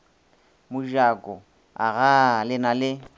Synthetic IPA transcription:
mʊʒakʼɔ | a̰ɣalɪnalɪ

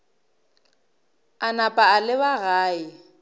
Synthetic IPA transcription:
anapʼaːlɪbaɣaːɪ

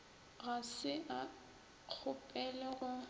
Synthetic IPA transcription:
ɣasɪʔa | k͡xʰʊpʼɛlɛɣʊ

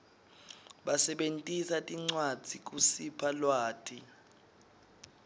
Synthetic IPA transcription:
ɓasɛɓentʼisatʼiŋ͡ǀwḁd͡z̥ʱik̬ʼusipʰalwaːtʰʼi

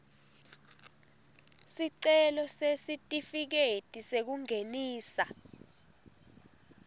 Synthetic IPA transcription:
siǀɛlɔsesitʼifik̬etʼisek̬uŋeniːsa

